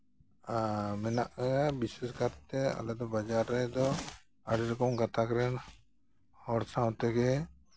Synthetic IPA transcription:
mɛnaʔbisɛskaɾt̪ɛa̰lɛd̪ɔbad͡ʒaɾːɛd̪ɔ | aɽiɾɔkɔmɡat̪akɾɛn | hɔɾsãwt̪ɛɡɛ

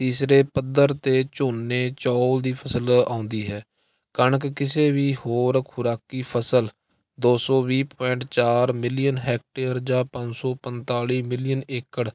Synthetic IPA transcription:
t̪iːsɾeːpəd̪əɾt̪eːt͡ʃoːnːeːt͡ʃɔːld̪iːpʰəsəlãːʊ̃nd̪iːɦɛː | kəɳəkkɪseːʋiːhoːɾkʰʊɾaːkiːpʰəsəl | d̪oːsɔːʋiːpɔːɪɳʈt͡ʃaːɾmɪlɪjənɦɛːk̚ʈeːɾd͡ʒãːpə̃ɲd͡ʒsɔːpənt̪aːliːmɪlɪjəneːkəɽ

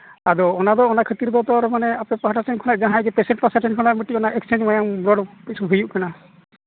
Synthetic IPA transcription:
ad̪ɔɔnad̪ɔɔnakʰət̪iɾd̪ɔt̪ɔɾmanɛapnɛpaɦaʈʰatʰɛnkʰɔlaʔd͡ʒaɦãɛɡɛpɛsɛɳʈpasaʈʰɛnkʰɔnaʔmiʈiɔnaʔɛkst͡ʃend͡ʒmajaŋbɾɔɽpisuɦujuʔkana

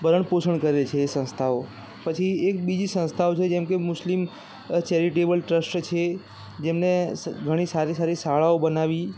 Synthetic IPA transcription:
bəɾəɳposəɳkəɾet͡ʃʰeːsə̃nst̪ʰao | pət͡ʃʰiek̚bid͡ʒisə̃nst̪ʰaot͡ʃʰed͡ʒɛ̃mkemʊslim | t͡ʃɛɾiʈebəlʈɾəsʈt͡ʃʰe | d͡ʒemneɡʱəɽ̃isaɾisaɾisaɭaobənaʋi

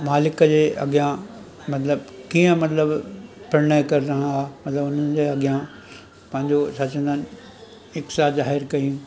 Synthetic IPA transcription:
maːlɪkəd͡ʑeːʔɐ̰ɡijã | mɐt̪ləbkiːə̃mɐt̪ləbpɐɾɪnaːkɐɾɪɾɐɦãamɐt̪ləbʊn̤ənɪ̆d͡ʑeːɐɠjã | pɐ̃ɦɪ̃ɲd͡ʑosɐt͡ɕə̃nd̪aːnɪ | ɪksaːzaːɦɪɾkɐĩ

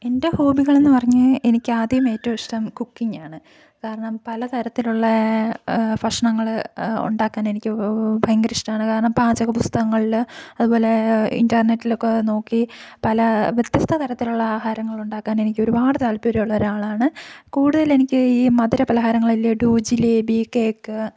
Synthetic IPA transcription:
e̞nde̞ho̞ːbiɣɐɭe̞nːɨpɐrɐɲːɨe̞nikʲːɨaːd̪jɐme̞ːtːɐɐiʂʈɐmkukːiŋaːɳɨ | kaːɾɐɳɐmpɐlɐt̪ʰɐɾɐt̪ːiluɭːɐ | fɐʂɐɳɐŋːɐɭṵɳɖaːkːaːne̞nikʲːɨbʱɐjɐŋɡɐɾiʂʈɐmaːɳɨkaːɾɐɳɐmpaːd͡ʑɐkːɐpust̪ɐɣɐŋːɐɭilɐðubo̞ːle̞ḭndɐrnetːilokːeno̞ːkːipɐlɐʋjet̪jɐst̪ʰɐt̪ʰɐɾɐt̪ːiluɭːɐaːɦaːɾɐŋːɐɭuɳɖaːkːaːne̞nikʲːo̞ɾubaːɽɨt̪aːlpoɾɐjuɭːɐɾaːɭaːɳɨkuːɽuðɐle̞nikʲːɨiːmɐðiɾɐpɐlɐɦaːɾɐŋːɐɭilːɐɖuːd͡ʑilebiːkeːkːɨ

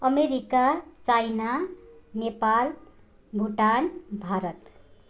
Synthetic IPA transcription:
ʌmeɾikat͡ʃajnanepal | ɡʱuʈanbʱaɾʌt̪

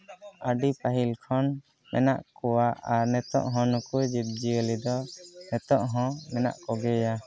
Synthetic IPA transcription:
əɖipaɦilkʰɔn | mʔɛ̰na̰ʔkɔwaʔaɾnɛt̪ɔ̰ʔɦɔ̃nukud͡ʒib̚d͡ʒiɛlid̪ɔnɛt̪ɔʔɦɔ̃mɛna̰ʔkɔɡɛja

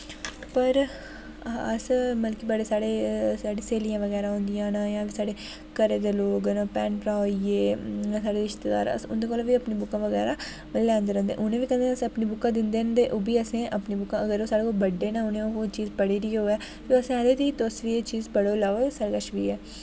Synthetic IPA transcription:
pəɾ | ãəsməlkiːbəɽeːsaːɽeːsaːɽeːseːlijãːʋəɡɛːɾaːɦõːnd̪ɪjãːnaːjãːʋiːsaːɽeː | kəɾeːd̪eːloːɡnãːpɛːnpɾaːieːãːsaːɽeːɾɪʃt̪ed̪a̰ːɾə̰sʊ̰nd̪eːkoːlːʋiːəpniːbʊkːãːʋəɡɛ̰ːɾaː | lɛ̃ːnd̪eːɾə̃ːnd̪ḛːʔʊnẽːʋiːkə̃nd̪eəsəpniːbʊkːãːd̪ɪnd̪eːənd̪eːʔoːbiːəsẽːʔəpniːbʊkːãːəɡəɾoːsaːɽeːkolbəɖːeːnaːʊnẽːooːt͡ʃiːzpəɽiːɾiːɦoːɛː | koːəsẽːaːd̪eːt̪iːt̪oːsʋiːet͡ʃiːzpəɽoːlaːosaːɽeːkəʃʋiːɛː

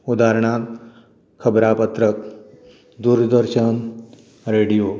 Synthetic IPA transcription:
ud̪aɾɳat̪ | kʰəbɾapət̪ɾək̚ | d̪uɾd̪əɾɕən | ɾeɽijo

